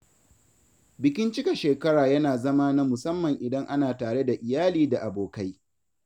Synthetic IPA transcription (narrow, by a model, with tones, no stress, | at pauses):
bɪ˨kʲɪ˦nt͡ʃɪ˦kʲa˨ʃeː˨kɐ˦ɽaː˨jɐ˦naː˨zɐ˦maː˦na˦mʊ˨sɐ˦mːɐ˨ŋʔɪ˨dɐ˦ŋʔa˦naː˨taː˨ɽe˦da˨ʔɪ˨jaː˦liː˦da˨ʔa˨boː˨ka˦j